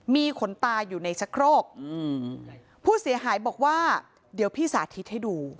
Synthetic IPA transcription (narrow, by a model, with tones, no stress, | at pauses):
miː˧kʰo˩˦nt̪aː˧juː˨˩na˧jt͡ɕʰa˦˥kʰɾoː˥˩k̚ʔɯː˧˩ | pʰuː˥˩si˩˦əɦaː˩˦jbɔː˨˩k̚waː˥˩ | di˨˩˦wpʰiː˥˩saː˩˦t̪ʰi˦t̪̚ha˥˩jduː˧